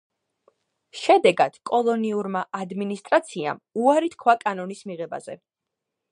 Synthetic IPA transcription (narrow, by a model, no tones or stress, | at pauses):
ʃɛd̪ɛɡad̪̥kʼɔlˠɔniuɾmaʔad̪minist̪ʼɾat̪sʰia̰muaɾit̪kʰwakʼanɔnismiʁɛba̰zɛ̰